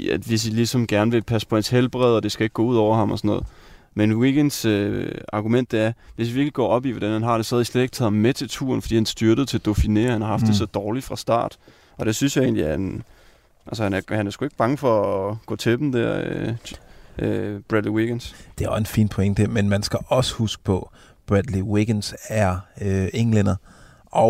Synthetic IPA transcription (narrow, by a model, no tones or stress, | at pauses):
æʋe̝s̬ilisɒ̽mɡ̥æɐnəʋe̝pʰæspʰɒ̽hænshelb̥ʁɛðˠɒ̽d̥e̝sɡ̥æeɡ̥ɡ̥ɔ̰̽uð̞̰ˠɒʊ̰ɐhɑ̈mɒ̽sɒ̽nɔ̽ːð̩ˠmenwiɡ̥en̥søɑ̈ɡ̥umen̰d̥eæɐʋe̝siʋiɐɡ̥liɡ̥ɒ̰ːɒ̽b̥iʋɒd̥ænhænɦɑ̈ːɾ̥e̝sɒ̽hɛðˠislede̝ɡ̥̚t͡sʰɛðˠmet͡sʰe̝lt͡sʰṵːɐnfɒd̥ḭːhænsd̥yɐd̥ð̞̩ˠt͡sʰe̝d̥o̝fine̝̰ːɐhænhɑ̈hɑ̈fd̥e̝sɒ̽d̥ɒːli̥fʁɑ̈sd̥ɑ̰̈ːd̥ | ɒ̽ɾ̥e̝synsjɑ̈e̝̰ːnliæɐen | ʔælsəhænæɐhænæɐsɡ̥ue̝ɡ̥əb̥ɑ̈ŋəfɒ̽ɡ̥ɔ̰ːt͡sʰe̝b̥m̩d̥æɐ̰ø | b̥ʁæd̥liwiɡ̥ensd̥e̝æɒsenfḭːnpʰoeŋd̥əmenmænsɡ̥æʔɒ̽sə̥husɡ̥ə̥pʰɒ̽ | b̥ʁæd̥liwiɡ̥ensæɐøeŋlen̰ɐ | ʔɒ